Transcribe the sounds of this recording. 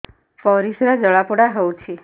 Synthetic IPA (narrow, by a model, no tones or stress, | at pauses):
fɔɾiʃɾad͡ʒəɭapuɽaɦɔut͡ʃʰi